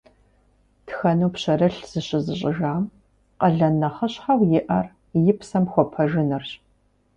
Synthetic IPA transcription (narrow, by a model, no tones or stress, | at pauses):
txɐnuːpɕɐrɐɬz̥ɨɕʼɪzɨɕʼɪʒaːm | qɐɮɐnɐχɐɕħawjɪʔɐr | jɪpsɐmxʷɔpʰɐʒɪnɨrɕ